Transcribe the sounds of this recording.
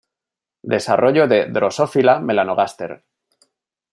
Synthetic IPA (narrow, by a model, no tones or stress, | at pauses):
d̪e̞saro̞ʝo̞ðe̞ðɾo̞so̞filame̞lanoɣast̪e̞̰ɾ